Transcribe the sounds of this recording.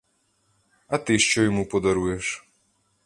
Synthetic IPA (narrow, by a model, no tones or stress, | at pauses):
ɐt̪ɪʃt͡ʃɔjɔmupɔd̪ɐɾujɛʃ